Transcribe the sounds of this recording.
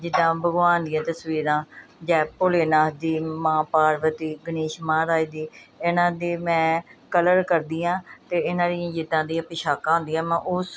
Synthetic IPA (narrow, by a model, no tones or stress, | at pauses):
d͡ʒɪd̪ãːbəɡʋaːnd̪ijãːt̪əsʋiːɾãːd͡ʒɛːpʊleːnaːd̪iːmãːpaːɾʋət̪iːɡəniːʃmãːɾaːid̪iːenãːd̪eːmɛ̃ːkələɾkəɾd̪iːãːt̪eːɪnãːɾiãːd͡ʒɪd̪ãːd̪iːãpɪʃaːkãːɦʊ̃nd̪iːãːmɛ̃ːʔʊs